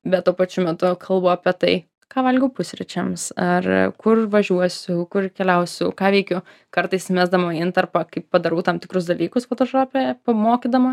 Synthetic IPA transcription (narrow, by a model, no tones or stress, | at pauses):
bʲɛt̪̚tuɔpɐt͡ʃʲʊmʲɛt̪ʊkʰɐlˠboɐpʲiɛt̪ɐɪ | kɑːʋɐlʲɡʲɛʊpʊsʲɾʲɪt͡ʃʲɛmsɐrkʊrʋɐʒʲuɔsʲʊkʊrkʲɛlʲɛʊsʲʊkɑːʋʲɛɪkʲʊ | kɐɾt̪ɐɪsmʲæːzd̪ɐmɐɪnt̪ɐrpɐkɐɪppɐd̪ɐɾuːt̪ɐmt̪ʲɪkɾʊs̬d̪ɐlʲiːkʊsfɐt̪oʃoːpʲɛjpɐmoːkʲid̪ɐmɐ